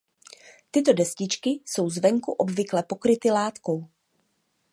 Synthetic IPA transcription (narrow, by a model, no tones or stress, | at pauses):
t̪ɪt̪o̞dɛscɪt͡ʃkɪso̞wzvɛŋkuʔo̞bvɪklɛpo̞kɾɪt̪ɪlaːt̪ko̞w